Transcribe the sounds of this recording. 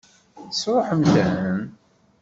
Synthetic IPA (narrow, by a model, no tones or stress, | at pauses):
sɾˤoħəmθæəm